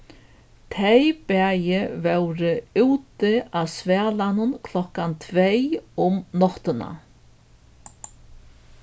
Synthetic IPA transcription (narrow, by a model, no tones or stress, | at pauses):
t̪ʰejpɛːjɪvɛwɾɪuːt̪ɪaðsvɛːlanʊnkʰlɔhkant̪ʰvejʊmnɔht̪ɪna̰